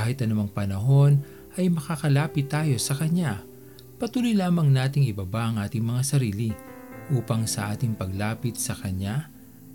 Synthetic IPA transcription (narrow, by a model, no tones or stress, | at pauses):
aːhɪt̪ʔɐnʊmɐŋpɐnɐɦo̞n | ʔɐjmɐkakɐlaːpɪt̪ːaːjo̞sɐkɐɲa | pɐt̪uːlojlaːmɐŋnaːt̪ɪŋʔɪbɐbaʔɐŋʔaːt̪ɪŋmɐŋasɐɾiːlɪ | ʔuːpɐŋsɐʔaːt̪ɪŋpɐɡlaːpɪt̪̚sɐkɐɲa